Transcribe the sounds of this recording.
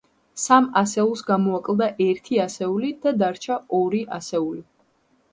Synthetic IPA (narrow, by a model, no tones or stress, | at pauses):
samasɛulˠsɡamɔakʼlˠd̪aʔɛɾt̪ʰiasɛulid̪̥ad̪aɾt͡ʃʰaɔɾiʔasɛuli